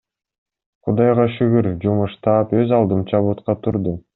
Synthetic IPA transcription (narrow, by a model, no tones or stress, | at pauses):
qʰud̪ɑjʁɑʃyɡyɾd͡ʒumuʃt̪ɑːpøzɑlˠd̪ɯmt͡ʃɑβut̪qɑt̪ʰuɾd̪u